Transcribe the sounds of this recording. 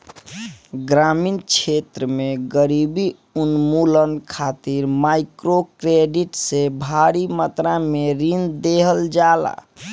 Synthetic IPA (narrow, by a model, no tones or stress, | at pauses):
ɡɾaminkt͡ʃʰet̪ɾəmeɡəɾibi | unmulənkʰat̪iɾmaɪkɾokɾeɖiʈsebʱaɾimət̪ɾameɾind̪eɦəld͡ʒala̰